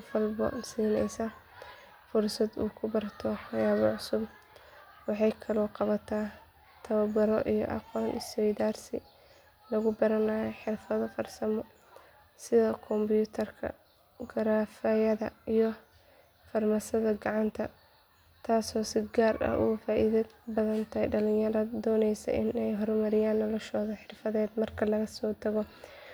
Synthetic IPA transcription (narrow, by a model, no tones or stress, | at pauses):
fɐlbɔ̰nsiːnɛ̰jsɐ | fʊrsɐd̪uːkʰʊbɐrt̪ʰɔħɑjaːβɔʕʊsʊb | wɑħɑjkʰɐlɔːqɑβɐt̪ʰaː | t̪ʰɐβɐbɐɾɔʔijɔ̰ʔɑ̰qɔːnɪsɔjðaːrsɪ̰ | lɐɣʊbɐɾɐnaːjɛħɪrfɐðɐfɐrsɐmɔ | sɪðɐkʰɔmbjuːt̪ʰɐrkʰɐ̰ | ɡɐɾaːfɐjɐðɐijɔ | fɐrmɐsɐðɐɡɑʕɑnt̪ʰɐ | t̪ʰaːsɔːsɪɡaːrɐ̰ʔʊ̰ɣʊfaːʔiðɐbɐðɐnt̪ʰɐɖɐlɪ̃jɐɾɐd̪ɔːnɛjsɐ̰ʔɪnɛjɦɔrmɐɾɪjaːnːɔlɔʃɔːðɐħɪrfɐðɛːd̪mɐrkʰɐlɐɣɐsɔːt̪ʰɐɣɔ